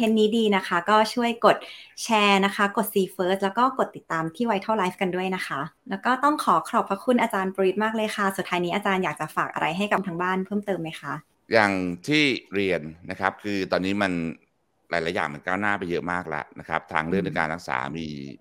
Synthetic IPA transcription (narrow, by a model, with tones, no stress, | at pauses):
e˦˥nːiː˦˥diː˧na˦˥kʰa˦˥kɔː˥˩t͡ɕʰu˥˩əjko˨˩t̪̚t͡ɕʰɛː˧na˦˥kʰa˦˥ko˨˩t̪̚siː˧fɤː˦˥s̚lɛː˦˥wkɔː˥˩ko˨˩t̪ːi˨˩t̪ːaː˧mt̪ʰiː˥˩wa˧jt̪ʰa˥˩wlaː˦˥jfka˧ndu˥˩əjna˦˥xʰa˦˥lɛː˦˥wkɔː˥˩t̪ɔ˥˩ŋkʰɔː˩˦kʰɾɔː˨˩pʰɾa˦˥kʰu˧nʔaː˧t͡ɕaː˧npu˧wi˦˥t̪̚maː˥˩k̚lɤː˧jxʰa˥˩su˨˩t̪ʰːaː˧jniː˦ʔaː˧t͡ɕaː˧njaː˨˩k̚t͡ɕa˨˩faː˨˩k̚ʔa̰˧ɾa˧jɦa˥˩jka˨˩mt̪ʰa˧ŋbaː˥˩npʰɤː˥˩mt̪ɤː˧ma˦˥jxʰa˦˥ʔ | jaː˨˩ŋt̪ʰiː˥˩ɾi˧ənːa˦˥kʰa˦˥p̚kʰɯː˧t̪ɔː˧nːiː˦˥ma˧n | ɾaː˨˦jlaː˨˦ja̰ː˨˩ŋma˧nkaː˥˩wnaː˥˩pa˧jːɤ̰˦˥ʔmaː˥˩k̚la̰˧˩na̰˦˥kʰa˦˥p̚t̪ʰa̰ː˧ŋɾɯ˥˩ŋne˧˩kaː˧nɾa˦˥k̚sa̰ː˩˦miː˧